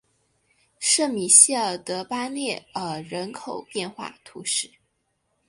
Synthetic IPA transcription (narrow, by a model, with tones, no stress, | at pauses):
ʂɤ˥˩mi˨˩ɕi˥ə˨˩t̪ɤ˧˥pa˥ljɛ˥˩ə˨˩ɻə˧˥nkʰo˨˩ʊpjɛ˥˧nxwa̰˥˩t̪ʰu˧˥ʂɻ̩˥˩